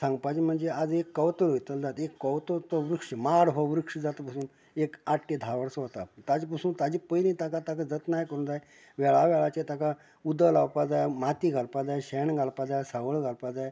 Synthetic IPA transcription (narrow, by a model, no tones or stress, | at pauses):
sãŋɡpad͡ʑim̤əɳd͡zead͡zekːəwt̪əɾojt̪əld͡zat̪ekːəwt̪ət̪ɔʋɾukʂəmaɽɦɔʋɾukʂəd͡zat̪əpasuːn | ekaʈːed̪ʱaʋəɽsɦɔt̪at̪ad͡ʑpəsuːnt̪ad͡ʑipəjlĩt̪akat̪akad͡zət̪najkəɾund͡zaj | ʋɛɭaʋɛɭat͡ɕet̪aka | ud̪əlawpad͡zajmat̪iɡʱalpad͡zajɕɛɳɡʱalpad͡zajsaʋəɭɡʱalpad͡zaj